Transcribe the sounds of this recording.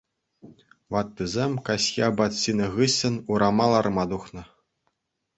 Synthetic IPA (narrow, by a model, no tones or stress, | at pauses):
ʋɑt̪ːɨzʲemʲkasʲjabat̪ʲsʲinɤ̆ɣɨsʲːɤ̆nuɾɑmɑlˠɑrmɑd̪uχnɤ̆